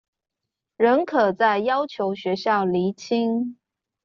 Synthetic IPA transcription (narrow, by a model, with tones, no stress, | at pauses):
ɻə˧˥nkʰɤ˨˩t͡sa˥˩ɪjɑ˥ʊt͡ɕʰjo˧˥ʊɕɥɛ˧˥ɕjɑ˥˩ʊli˧˥t͡ɕʰi˥ŋ